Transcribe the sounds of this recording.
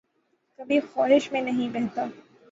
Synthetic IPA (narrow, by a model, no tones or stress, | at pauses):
kɐbʱixɔːɦɪʃmẽnɐɦĩbɛɦt̪aː